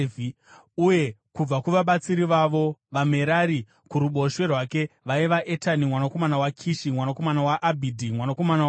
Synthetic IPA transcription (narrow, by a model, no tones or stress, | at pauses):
uje̞kub͡vakuʋaɓat͡siɾiʋaʋo̞ʋame̞ɾaɾi | kuɾuɓo̞ʃwe̞rwaːke̞ʋaiʋaʔetanimwanako̞manawakʰiʃimwanako̞manawaʔːbʱidʱimwanako̞mana